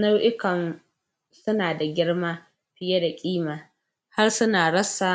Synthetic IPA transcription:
na˦wʔɪ˦kɐ˨n | sʊ˦naː˨da˨ɡʲɪ˦ɽmaː˦ | ɸɪ˦je˦da˨kʲʼiː˦maː˨ | ha˦rsʊ˦naː˨ɽɐ˦saː˨

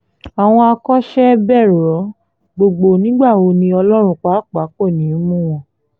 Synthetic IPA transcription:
a˨w̃ɔ̃˧a˧kɔ˦ʃɛ˦bɛ˦˨ɾɔ˨˦ | ɡ͡bo˧ɡ͡bo˧nĩ˨˦ɡ͡ba˦˨o˧˦nĩ˧ɔ˧lɔ˦ɾ̃ũ˦˨k͡pa˨˦˨k͡pa˨˦k͡po˦˨nĩ˨˦mũ˦w̃ɔ̃˧˨

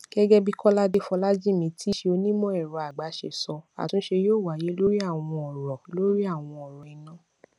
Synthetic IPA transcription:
ɡ̥ɛ˦ɡɛ˦bi˦kɔ˦la˦de˦fɔ˧la˦d͡ʒi˦˨mĩ˧tʰi˦ʃe˧o˧nĩ˦mɔ̃˦ɛ˦˨ɾɔ˨a˨ɡ͡ba˨˦ʃḛ˨sɔ˧a̰˨tũ˦ʃe˧joː˦˨wa˨je˨˦lo˦ɾi˦a˦˨w̃ɔ̃˧ɔ˨ɾɔ˨lo˦ɾi˦a˦˨w̃ɔ̃˧ɔ˨ɾɔ˨i˨˦nã˦

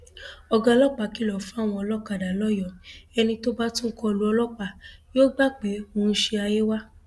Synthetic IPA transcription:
ɔ˧ɡa˧lɔ˦k͡pa˨˦ki˨˦˨lɔ˨fũ˨˦a˦˨w̃ɔ̃˧ɔ˧lɔ˦k͡pa˨da˨lɔ˦jɔ˨ɛ˧nĩ˧to˦ba˦tũ˦kɔ˧lu˦ɔ˧lɔ˦k͡pa˧˨joː˦ɡ͡ba˦k͡pe˨˦o˧˦n̩˦ʃe˧a˧je˦wa˦

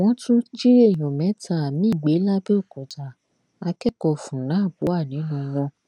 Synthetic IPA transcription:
w̃ɔ̃˦tʰũ˦d͡ʒi˦ɾe˦˨j̃ɔ̃˨mɛ̃˨˦ta˦˨mĩ˦˨ɡ͡be˨˦la˦be˦o˦˨kɔ˨ta˨ | a˧kɛ˦kɔ˧fũ˨ñã˨˦˨bu˨˦a˦˨nĩ˨˦nũ˦w̃ɔ̃˧

